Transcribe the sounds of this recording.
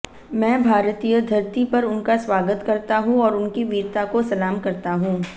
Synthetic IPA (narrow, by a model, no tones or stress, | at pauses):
mɛ̃ːbʱaːɾt̪ijəd̪ʱɐɾt̪ipɐɾʊnkaswaːɡət̪kɐɾt̪aɦũɔːɾʊnkiʋiːɾt̪akosɐlaːmkɐɾt̪aɦũː